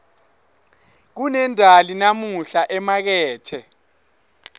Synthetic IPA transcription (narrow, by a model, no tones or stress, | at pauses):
k̬unɛndʱalinamuɬaʔɛmak̬ɛːtʰɛ